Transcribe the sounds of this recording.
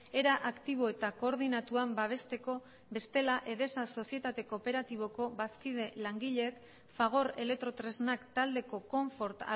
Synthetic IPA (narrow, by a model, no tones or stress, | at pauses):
e̞ɾaʔakt̪iβ̞o̞e̞t̪ako̞ːɾðinat̪uambaβ̞e̞st̪e̞ko̞ | βbe̞st̪e̞laʔe̞ðe̞saso̞sie̞t̪at̪e̞ko̞pe̞ɾat̪iβ̞o̞ko̞βaskið̞e̞laŋɡiʎek | faɣ̞o̞ɾe̞lek̚t̪ɾo̞t̪ɾe̞znakt̪ald̪e̞ko̞ko̞ɱfo̞ɾt̪a̰